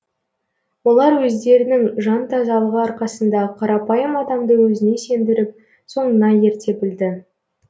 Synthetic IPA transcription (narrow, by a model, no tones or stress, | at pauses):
wo̞lˠɑɾwɵzd̪e̞ɾɪnɪŋʒɑnt̪ʰɑzɑlˠəʁəɑɾqɑsənd̪ɑqʰɑɾɑpɑjəmɑd̪ɑmd̪əwɵzɪne̞se̞nd̪ɪɾɪp̚ | so̞ɴənɑje̞ɾt̪ʰe̞bɪld̪ɪ